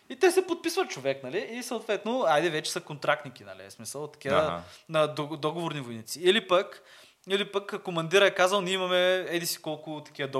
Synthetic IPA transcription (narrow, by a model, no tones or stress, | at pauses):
it̪ɛsɛpot̪̚pisvət̪̚t͡ʃovɛknɐliːsəot̪vɛt̪noajd̪ɛvɛt͡ʃɛ̥sɐkont̪ɾak̚t̪nik̟inɐ̰lḭsmisəlˠt̪ɐ̥kʲiənɐd̪d̪ɔɡovoɾnivojnit̪siilipək | ilipəkkːomɐnd̪iɾəɛkazəlˠnʲiimɐmɛɛd̪isi̥kɔlˠkʊt̪ɐ̥k̟ʲiəd̪ɔ